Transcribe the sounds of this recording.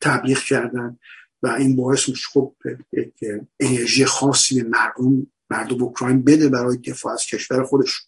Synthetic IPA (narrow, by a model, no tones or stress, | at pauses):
t̪ʰæbliːɣcʰæɾd̪ænd̪ | væiːnbɒːe̞smiʃe̥xob̚jecʰʔene̞ɾʒiːjexɒːsːiːbe̞mæɾd̪omː | æɾd̪omokʰɾɒːjnbed̪ebæɾɒːjed̪e̞fɒ̰ːæz̥cʰe̞ʃv̥æɾexo̞d̪e̞ʃu̥n